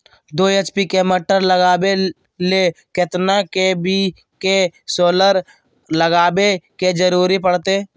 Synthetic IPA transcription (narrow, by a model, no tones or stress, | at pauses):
d̪oːeːt͡ʃpikeməʈəɾləɡaːbe | lekɪt̪nakebi | kesoːləɾ | ləɡaːbeked͡ʒəɾuːɾipəɽt̪eː